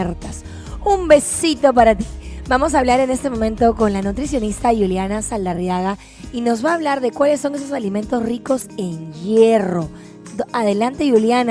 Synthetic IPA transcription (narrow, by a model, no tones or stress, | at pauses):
eɾt̪as | umbe̞sit̪o̞p̬aɾat̪i̥bamo̞s̬aːβlaɾe̞ne̞st̪e̞mõ̞mẽnt̪o̞ko̞nlanut̪ɾis̬jo̞nist̪ajuljanasald̪arjaɣa | ino̞zβaːβ̞laɾðe̞kwalesːo̞ŋes̬osalimẽ̞nt̪osriko̞se̞ŋʝe̞ro̞ | aðe̞lant̪e̞juljana